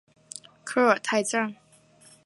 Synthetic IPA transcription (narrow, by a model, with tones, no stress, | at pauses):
kʰɤ˥˩ə˨˩t̪ʰa˥˧ɪt͡sa˥˩ŋ